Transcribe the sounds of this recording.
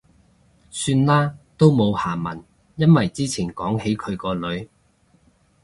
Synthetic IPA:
syː˧nlaː˥t̪o˥wmo˨˧whaː˨˩mɐ̰˨˩n | jɐ˥nwɐ˨jt͡siː˥t͡sʰiː˨˩nkɔː˨˥ŋhe˨˥jkʰɵ˨˧ɥkɔː˧lɵ˨˧ɥ

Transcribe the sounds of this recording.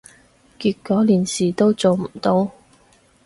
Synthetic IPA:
kiː˧t̚kːɔː˨˥liː˨˩nsiː˨t̪o˥wt͡so˨wm̩˨˩t̪o˧˥w

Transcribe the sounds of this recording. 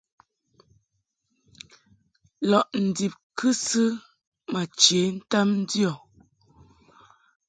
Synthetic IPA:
lɔ˨ʔn̩˨di˨p̚kɨ˦sɨ˦ | ma˨t͡ʃje˨˦n̩˦ta˦mn̩˦djɔ˨

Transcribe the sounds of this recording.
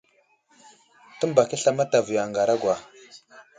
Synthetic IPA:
tə˦mba˨ki˦ɬa˦ma˦ta˨vu˨ja˨ŋɡa˨ɾa˦ɡʷwa˨

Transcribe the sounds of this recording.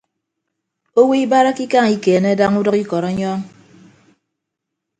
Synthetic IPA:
o˦wi˦i˦ba˦ɾa˦ki˦ka˦˨ŋi˦ke˨ne˦da˦ŋu˦dɔ˦ki˦kɔ˨ɾɔ˦ɲɔ˦ŋ

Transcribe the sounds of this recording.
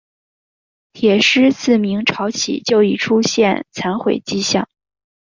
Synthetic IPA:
t̪ʰjɛ˨˩ʂɻ̩˥t͡sʰɹ̩˥˩mi˧˥ŋʈ͡ʂʰɑ˧˥ʊt͡ɕʰḭ˨˩t͡ɕjo˥˩ʊi˨˩ʈ͡ʂʰu˥ɕjɛ̰˥˧nt͡sʰa˧˥nxwḛ˨˩ɪt͡ɕi˥ɕjɑ̰˥˩ŋ

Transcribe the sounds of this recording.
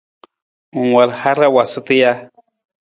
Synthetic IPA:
u˨ŋwa˨lha˦ɾa˦wa˨sɨ˦t̪i˦ja˦

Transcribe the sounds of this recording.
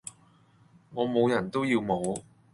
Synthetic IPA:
ŋɔː˨˧mo˨˧wjɐ˨˩nt̪o˥wjiː˧wmo˨˧w

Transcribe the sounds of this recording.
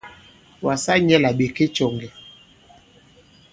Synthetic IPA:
wa˨sa˦ɲɛ˦la˨ɓe˨ke˦t͡ʃɔ˨ŋɡɛ˨

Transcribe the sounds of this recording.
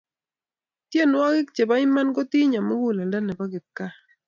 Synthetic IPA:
t̪je˦˨nwa˦ɡɪ˦k̚t͡ʃe˨ba˦ɪ˦ma˦nɡɔ˦t̪i˦ɲa˨mʊ˦ɡu˦˨lɛ˨ndɛ˦nɛ˨ba˦ɡɪ˨t̪̚ka˦

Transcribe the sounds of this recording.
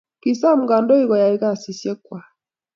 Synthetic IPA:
ki˨sa˦m̩˦ɡa˨ndɔ˦i˦ɣɔ˨ja˨i˦ɣa˦˨si˨sjɛ˦kwa˨

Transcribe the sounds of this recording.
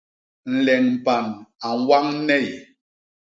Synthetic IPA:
n̩˨lɛ˨ŋm̩˨pa˨na˨ŋ˨˦wa˦ŋ̩˦nɛ˦˨j

